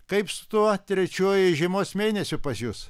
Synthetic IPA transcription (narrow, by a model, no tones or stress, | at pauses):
kɐɪpsʊ̥t̪uɔt̪ʲɾʲɛt͡ʃʲuɔjɪʒʲɛmoːsmʲeːnʲɛsʲʊpɐsjus